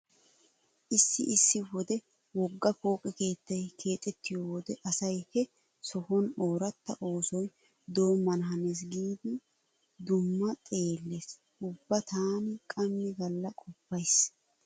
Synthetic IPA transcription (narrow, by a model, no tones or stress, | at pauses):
ʔɪsːɪ̰ʔɪsːɪwɔd̪ɛ | wɔɡːɐfo̞ːkʼɛke̞ːt̪ːɐjkʰe̞ːt̪ʼːɛt̪ːɪjoːwɔd̪ɛʔɐsɐjhɛ | sɔhɔno̞ːɾɐt̪ːɐʔo̞ːsɔj | d̪o̞ːmːɐnɦɐneːs̬ɡiːd̪ɪ | d̪ʊmːɐt̪ʼe̞ːlːes | ʔʊbːɐt̪aːnɪkʼɐmːɪɡɐlːɐkʼɔpːɐjs